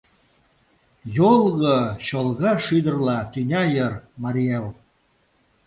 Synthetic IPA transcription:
jolˠɣəɕolˠɣɑʃyd̪ərlɑt̪ynʲɑjərmɑɾiel

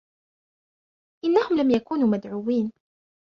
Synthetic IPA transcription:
ʔɪnːahʊmlamjakuːnuːmad̪ʕuːwiːn

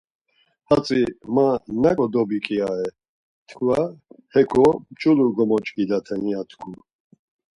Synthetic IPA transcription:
hat͡sʼimanakʼɔd̪ɔbikʼiaɛ | t̪ʰkʰvahɛkʰɔmt͡ʃʼuluɡɔmɔt͡ʃʼɡid̪at̪ʰɛniat̪ʰkʰu

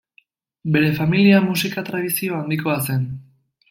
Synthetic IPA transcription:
be̞ɾe̞familiamusikat̪ɾaðisio̞and̪iko̞ase̞n

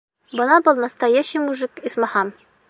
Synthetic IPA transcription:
bɤ̆nɑbɤlˠnɐst̪ajæɕɘjmuʐɘkismɑhɑm

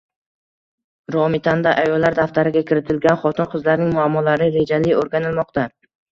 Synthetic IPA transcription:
ɾɒmɪt̪ʰand̪aʔajɒlːaɾd̪aft̪aɾɪɡʲakʲʰɪɾɪt̪ʰɪlɡʲanχɒt̪ʰɪnqʰɨzlaɾnɪŋmʊamːɒlaɾɪɾe̞d͡ʒalɪoɾɡʲanɪlmɒqt̪ʰa

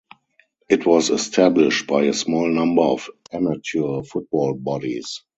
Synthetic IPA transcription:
ʔɪtʰwɔzɛstʰæblɪʃt̚b̥aɪəsmɔːlnãmbə˞ɔfæmatʰufʊt̚b̥ɔːlbɔdḭs

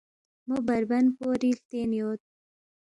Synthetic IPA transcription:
mobɐɾbɐnpoːɾilt̪eːnjoːt̪̚

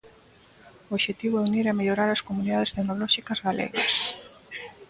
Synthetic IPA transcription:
ooʃet̪iβʊɛuniɾɛmeʎoɾaɾɐskomuniðaðest̪eknolɔʃikɐzɣalḛɣɐs

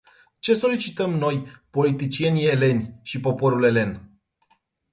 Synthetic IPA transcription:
t͡ʃe̞so̞lit͡ʃit̪əmno̞jpo̞lit̪it͡ʃie̞nʲie̞le̞nʲʃipo̞po̞ɾule̞le̞n

